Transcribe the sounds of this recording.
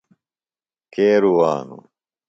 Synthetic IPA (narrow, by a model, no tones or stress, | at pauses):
keːɾuwaːnṵ